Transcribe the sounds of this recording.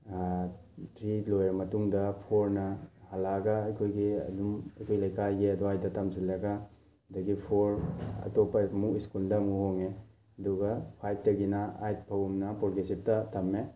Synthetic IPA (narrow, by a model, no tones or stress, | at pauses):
tʰɾilojaɾmɐtuŋdɐpʰoɾnɐhalaɡɐːjkʰojɡiɐ̰dumɐjkʰojlɐjkajɡiɐduajdɐtɐmsilːɐɡɐ | dɐɡipʰoɾɐ̰topːɐmuiskuldɐmuhoŋe | ɐduɡɐpʰajp̚ʰtɐɡinɐajt̚pʰɐwumnɐpoɾɡesip̚tɐtɐmːe